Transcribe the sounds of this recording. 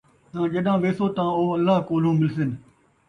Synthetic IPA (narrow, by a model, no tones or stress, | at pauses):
t̪ãːd͡ʒeɗãːʋeːsoːt̪ãːoːəlːaːɦkoːlõːmɪlsɪn